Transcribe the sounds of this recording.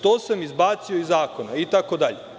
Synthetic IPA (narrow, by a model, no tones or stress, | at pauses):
t̪oːsamizbaːt̪sioizaːko̞nait̪akod̪aʎe